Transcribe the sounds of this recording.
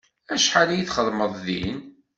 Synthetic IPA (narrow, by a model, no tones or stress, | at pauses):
æʃħalæjiθχəðˤməðˤðḭn